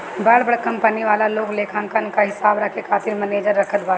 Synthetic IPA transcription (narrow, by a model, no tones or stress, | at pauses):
bəɭbəɽkɐ̃mpəniʋaːlaloːkleːkʰãnkənkaɦɪsaːbɾɐkekʰaːt̪ɪɾmɐneːd͡ʒəɾːɐkʰət̪ʋaːɾa